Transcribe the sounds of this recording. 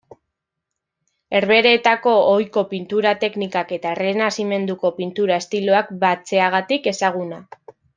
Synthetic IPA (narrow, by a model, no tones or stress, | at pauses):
e̞ɾβe̞ɾe̞ːt̪ako̞ojko̞pint̪uɾat̪e̞knikake̞t̪aere̞nasime̞nd̪uko̞pint̪uɾaest̪ilo̞akbat͡se̞aɣ̞at̪ike̞saɣ̞una